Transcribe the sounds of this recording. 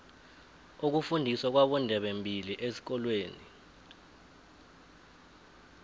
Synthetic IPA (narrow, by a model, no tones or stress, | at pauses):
uk̬ufundʱisɔk̬waɓɔndʱɛɓembʱiliʔesi̥k̬ɔlweːni